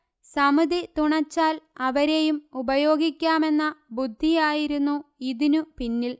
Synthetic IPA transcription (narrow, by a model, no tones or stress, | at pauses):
sɐmud̪it̪uɳɐt͡ɕːaːlɐʋɐɾe̞jumubɐjo̞ːɡikʲːaːme̞nːɐbud̪ʱːijaːjiɾunːuiðinupinːil